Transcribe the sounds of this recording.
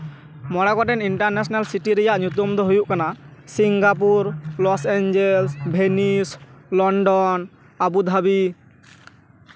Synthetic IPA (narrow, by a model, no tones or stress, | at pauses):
mɔɽakɔʈɛniɳʈaɾnɛsɔnalsiʈiɾɛjaʔɲut̪̬ɔmd̪ʱɔɦojuʔkanasiŋɡap̬uɾlɔseɲd͡ʒelsbʱenislɔɳɖɔn | abud̪ʱabi